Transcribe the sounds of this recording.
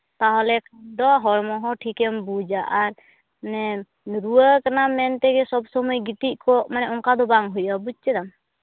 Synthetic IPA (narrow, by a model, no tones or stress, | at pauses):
t̪aɦɔlɛkʰad̪ɔɦɔɾmɔɦɔʈʰikɛmbud͡ʒaʔaɾ | nɛ | ɾuwəkanamɛnt̪ɛɡɛsɔbsɔmɔjɡit̪iʔ̚ˀkɔʔmanɛʔɔŋkad̪ɔbaŋɦujabud͡ʒ̚t͡ʃɛd̪am